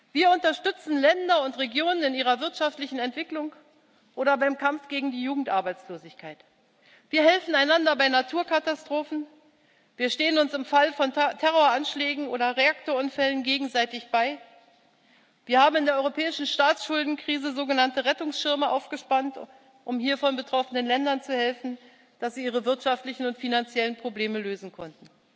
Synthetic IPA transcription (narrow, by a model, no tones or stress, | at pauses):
viːɐʊntɐʃtʏt͡sn̩lɛndɐʊntʁeɡjoːnənɪnʔiːʁ̞ɐvɪɐtʃaftlɪçn̩ɛntv̥ɪklʊŋ | ʔoːɾɐbaɪmkʰamfɡ̥eːɡŋ̩diːjuːɡŋ̩tʔaɐbaɪt͡sloːzɪçkʰaɪt | v̥iːɐɦɛlfn̩aɪnandɐbaɪnatʰuːɐkʰatastʁ̥oːfn̩ | viːɐʃteːənʊnsɪmfalfɔntʰɛʁoːɐanʃlɛːɡŋ̩ʔoːɾɐʁeak̚toːɐʊnfɛlənɡeːɡŋ̩zaɪtɪçb̥aɪ | viːɐhaːbm̩ɪndeːɐɔʏʁopʰɛːɪʃn̩ʃtaːt͡sʃʊldn̩kʁ̥iːzəzoːɡənantəʁɛtʊŋsʃɪɐməʔa̰ʊfɡ̥əʃpant | ʔʊmhiːɐfɔnbətʁ̥ɔfənənlɛndɐnt͡suhɛlfn̩ | d̥asz̥iːʔiːʁ̞əvɪɐtʃaftlɪçn̩ʊntfinant͡sjɛlənpʁ̥obleːməløːzn̩kʰɔntn̩